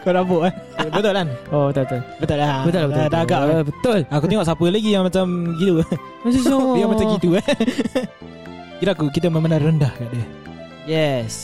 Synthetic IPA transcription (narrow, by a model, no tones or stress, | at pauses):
koɾaboʔahbət̪ʊlanobət̪ʊbət̪ʊlbət̪ʊlabət̪ʊlbədaɡaʔbət̪ʊlakut̪eŋɔʔsapəlaɡijaŋmat͡ʃamɡido | amat͡ʃamkit̪ua | kiɾaʔkukit̪əməmənarəndahkaʔdə | jɛs